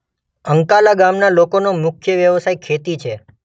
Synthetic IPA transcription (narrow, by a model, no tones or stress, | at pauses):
əŋkalaɡamnalokonomʊkʰjəʋjəʋsajkʰet̪it͡ʃʰe